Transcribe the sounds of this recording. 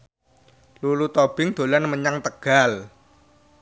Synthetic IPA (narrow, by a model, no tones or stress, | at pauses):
lulut̪ob̥ɪŋd̪̥o̤lanməɲaŋt̪əɡ̥al